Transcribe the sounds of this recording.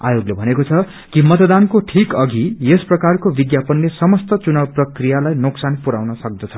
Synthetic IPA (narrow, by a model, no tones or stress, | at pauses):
a̰joɡlebʱʌnekot͡sʰʌ | kimʌt̪d̪ankoʈʰikʌɡijesprʌkarkobid̪japʌnːesʌmʌst̪ʌt͡sunabprʌkrijalajnoksanpuɾa̰wnʌsʌk̚d̪ʌt͡sʰʌ̥